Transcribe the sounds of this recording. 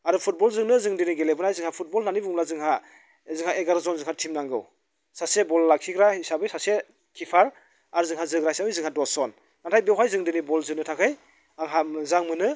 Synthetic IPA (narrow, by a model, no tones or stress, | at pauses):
aɾɯpʰut̚bɔlzɯŋnɯzɯŋdeniɡelebɯnajzɯŋhapʰut̚bɔlnanibuŋlazɯŋɦa | zɯŋhaʔeɡaɾzɔnzɯŋhatʰimnaŋɡɯ̰w | sasebɔllakʰiɡɾahisabɯjsase | kʰipʰaɾ | aɾzɯŋɦazɯɡɾaisabɯjzɯŋhadɔsɔn | natʰajbewɦajzɯŋdenibɔlzɯnɯtʰakʰɯj | aŋɦazaŋmɯnɯ